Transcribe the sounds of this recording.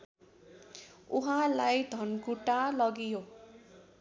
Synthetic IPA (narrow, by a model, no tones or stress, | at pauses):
ṵɦãlajd̪ʱʌnkuʈalʌɡijo